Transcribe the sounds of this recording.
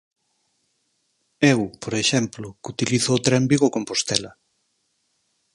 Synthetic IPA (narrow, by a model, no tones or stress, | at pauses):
ewpoɾeʃɛmplʊkut̪iliθoːt̪ɾɛmbiɣokompost̪ɛlɐ